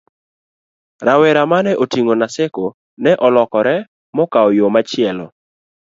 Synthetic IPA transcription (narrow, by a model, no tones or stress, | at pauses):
ɾawɛɾamanɛʔotiŋonasɛko | nɛʔɔlɔkɔɾɛ | mɔkaɔjomat͡ʃɪɛlɔ̰